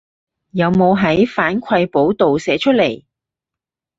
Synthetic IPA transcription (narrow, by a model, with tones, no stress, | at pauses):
jɐ˨˧wmo˨˧wɦɐ˨˥jfaː˨˥nkʷʰɐ˧jpo˨˥wt̪o˨wsɛː˨˥t͡ʃʰɵ˥le˨˩j